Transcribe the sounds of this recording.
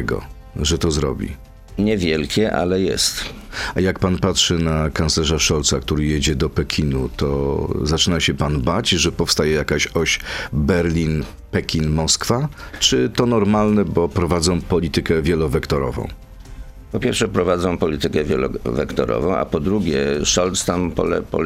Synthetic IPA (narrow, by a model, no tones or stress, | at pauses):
ɡɔ̰ | ʐɛt̪ɔzɾɔ̰bʲḭ | ɲɛvʲjɛlkʲɛʔa̰lɛjɛ̰st̪ | ajakpanpatʂɘnakanslɛʐaʂɔlt̪sakt̪uɾɘjed͡ʑɛd̪ɔpɛkʲʰinut̪ɔ̰zat͡ʂɘnaɕɛpanbat͡ɕʐɛpɔfst̪ajɛjakaɕɔɕbɛɾlʲin | pɛkʲʰinmɔskfat͡ʂɘt̪ɔnɔɾmalnɛbɔpɾɔvad̪zɔ̃w̃pɔlʲit̪ɘkɛvʲjɛlɔvɛkt̪ɔɾɔ̰vɔ̰̃w̃ | pɔpʲjɛɾfʂɛpɾɔvad̪zɔ̃w̃pɔlʲit̪ɘkɛvʲjɛ̰lɔ̰vɛ̰kt̪ɔ̰ɾɔ̰vɔ̃w̃ʔa̰pɔd̪ɾuɡʲɛʂɔlt̪st̪ampɔ̰lɛ̰pɔ̰